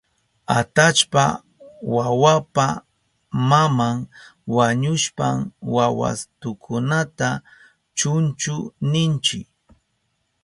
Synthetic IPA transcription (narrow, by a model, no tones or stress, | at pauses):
at̪at͡ʃpa̰ | wawapa | mamaŋwaɲʊʃpamwawa̰st̪ʊkʰʊnat̪a | t͡ʃʊnt͡ʃʊnɪnt͡ʃɪk